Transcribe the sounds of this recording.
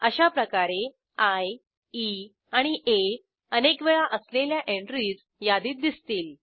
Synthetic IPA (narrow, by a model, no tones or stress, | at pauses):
əɕapɾəkaɾe | aj | i | aɽ̃iʔe | ənekʋeɭaʔəsleljaʔeɳʈɾiːd͡z | jad̪iːt̪̚d̪ist̪iːl